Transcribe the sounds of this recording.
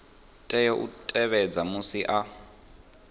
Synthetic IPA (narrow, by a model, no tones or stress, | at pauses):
tʼɛjɔʔṵtʼɛβɛd͡zamusiʔa